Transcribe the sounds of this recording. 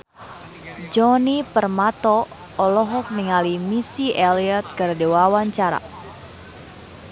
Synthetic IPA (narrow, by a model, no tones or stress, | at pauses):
d͡ʒɔnipərmat̪ɔː | lɔɦɔk̚niŋalimisiʔɛliat̪̚kərdewawaɲt͡ʃaɾa̰